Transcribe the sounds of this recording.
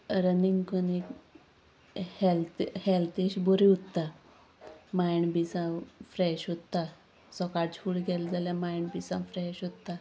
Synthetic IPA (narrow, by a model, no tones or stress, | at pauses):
ɾəniŋɡkunik | hɛlt̪hɛlt̪iɕboɾiut̪ːa | majɳbisãfɾɛɕɦot̪ːa | sɔkaɽ̚t͡ɕʰuːɭɡɛld͡zaljãmajɳbisãfɾɛɕot̪ːa